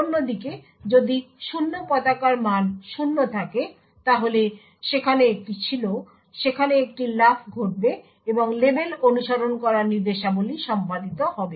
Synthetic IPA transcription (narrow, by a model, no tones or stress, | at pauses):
onːod̪ike | d͡ʑod̪iʃunːopɔt̪akaɾmanʃunːot̪ʰake | t̪aɦole | ʃekʰaneek̚ʈit͡ɕʰilo | ʃekʰaneek̚ʈilafʰɡʱoʈ̚be | eboŋlebelonuʃaɾonkɔɾaɾniɾd̪eʃaboliʃɔmpad̪it̪ohɔbe